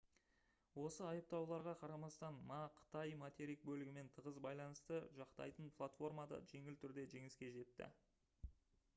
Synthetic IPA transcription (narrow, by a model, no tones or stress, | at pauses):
wo̞səɑjəp̚t̪ɑwlˠɑɾʁɑqʰɑɾɑmɑst̪ɑnmɑqʰə̥t̪ɑjmat̪ʲeɾik̚bɵlɪɡʲɪme̞nt̪ʰəʁəzbɑjlˠɑnəst̪əʒɑqt̪ɑ̰jt̪ənpʰlˠat̪fo̞rmɑd̪ɑ̰ʒe̞ŋɪlt̪ʰʏɾd̪e̞ʒe̞ŋɪskʲe̞ʒe̞t̪ːɪ̰